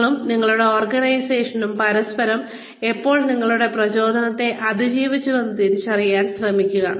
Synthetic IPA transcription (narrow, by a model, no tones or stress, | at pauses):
ɭumniŋːɐɭuɽe̞oːrɡɐnɐjseːʂɐnumpɐɾɐspɐɾɐm | e̞pːo̞ːɭniŋːɐɭuɽe̞prɐt͡ɕo̞ːd̪ʱɐnɐt̪ːe̞ʔɐd̪ʱid͡ʑiːʋit͡ɕːuʋenːɐt̪init͡ɕɐrijaːnɕrɐmikʲːuɣɐ̰